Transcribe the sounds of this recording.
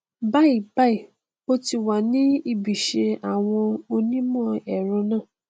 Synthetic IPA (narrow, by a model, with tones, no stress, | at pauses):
ba˦i˨ba˦i˨ | o˦ti˧wa˨nĩ˦i˦˨bi˨ʃe˧a˨w̃ɔ̃˧o˧nĩ˦mɔ̃˦˨ɛ˨ɾ̃ɔ̃˨˧˦nãː˦˨